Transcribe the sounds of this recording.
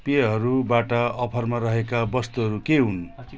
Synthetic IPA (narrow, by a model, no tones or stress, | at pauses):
peɦʌɾubaʈaʌpʰʌrmaɾʌɦekabʌst̪uɦʌɾukeɦun